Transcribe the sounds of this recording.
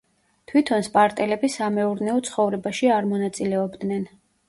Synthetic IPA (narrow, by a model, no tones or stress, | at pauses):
t̪ʰwit̪ʰɔnspʼaɾt̪ʼɛlɛbisamɛuɾnɛɔt̪sʰχɔvɾɛbaʃiaɾmɔnat̪sʼilɛɔbd̪nɛn